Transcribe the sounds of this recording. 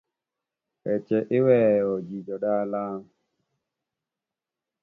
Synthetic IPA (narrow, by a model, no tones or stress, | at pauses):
ɛt͡ʃɛʔewɛɔd͡ʒid͡ʒɔɗaːlaː